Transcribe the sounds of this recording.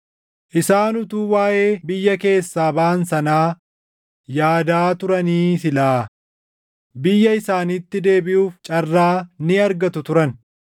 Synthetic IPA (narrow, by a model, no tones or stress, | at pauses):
ʔɪsaːnʊt̪uːwaːje̞ːbɪjːɐke̞ːsːaːbaːnsɐnaː | jaːd̪aːt̪ʊɾɐniːsɪlaː | bɪjːɐɪsaːnit̪ːɪd̪e̞ːbɪʔuːft͡ʃʼɐrːaːnɪɐɾɡɐt̪ʊt̪ʊɾɐn